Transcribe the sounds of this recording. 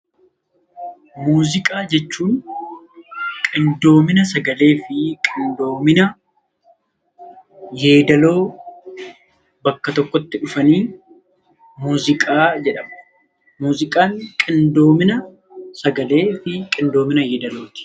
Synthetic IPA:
muːzɪkʼaːd͡ʒɛt͡ʃːuːn | kʼɪnd̪o̞ːmɪnɐsɐɡɐle̞ːfɪkʼɪnd̪o̞ːmɪnɐ | je̞ːd̪ɐloː | bɐkːɐt̪ɔkːɔt̪ːɪᶑʊfɐniː | muːzɪkʼaːd͡ʒɛᶑɐmɐ | muːzɪkʼaːŋkʼɪnd̪o̞ːmɪnɐ | sɐɡɐle̞ːfɪkʼɪnd̪o̞ːmɪnɐje̞ːd̪ɐlo̞ːt̪ɪ̥

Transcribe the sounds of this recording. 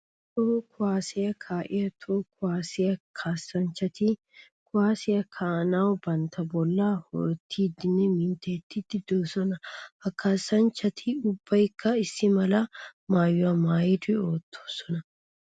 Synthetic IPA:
t̪okʊwaːsɪjɐkʰaːʔɪjɐt̪ʰoːkʊwaːsɛjɐkʰaːsːɐnt͡ʃːɐt̪ɪ | kʰʊwaːsɛjɐkʰaːnaːwbɐnt̪ɐbɔlːaːhɔ̰ɾt̪ʰːiːd̪ɪnːɛmɪnt̪et̪ːɪt̪ːɪd̪oːsɔnɐhɐkːaːsːɐnt͡ʃːɐt̪ʰɪʊbːɐjkːɐɪsːɪmɐlɐmaːjːʊɐmaːjɪd̪ɪoːt̪ːo̥ːsɔnɐ

